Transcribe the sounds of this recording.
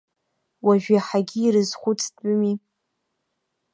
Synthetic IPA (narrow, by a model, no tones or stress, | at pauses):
waʒᶣaħaɡʲiːɾɨzχʷʊt͡sʰʼtʼʊmi